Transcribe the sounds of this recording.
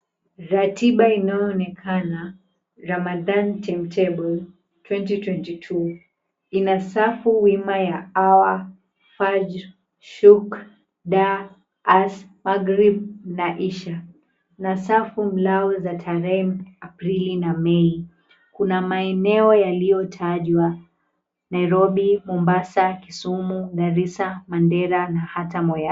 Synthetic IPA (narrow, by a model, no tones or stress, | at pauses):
ɾatiɓainajɔɔːnɛkʰana | ɾamaðantʰɛm̩tʰɛbɔl | twɛntitwɛntitʰu | inasafuwimajaawa | fad͡ʒ | ʃuk | ɗaː | smaɡɾib̚naʔiʃa | nasafum̩laɔzatʰaɾɛmapɾilinamɛi | kunamaɛnɛɔjalijɔtʰaʄwa | naiɾɔɓimɔmbasakisumuɗaɾisamandɛɾanahatamɔja